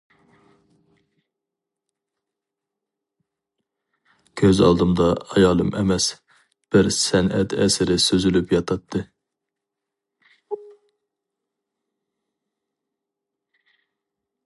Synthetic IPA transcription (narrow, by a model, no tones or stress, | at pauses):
kʲʰøzɑ̰lˠd̪ɨmd̪ɑːjɑːlˠɨmʔɛmɛs | b̥ɪɾsɛnʔɛt̪ɛsɪɾɪsøzylypjɑt̪ʰɑt̪ʰːɨ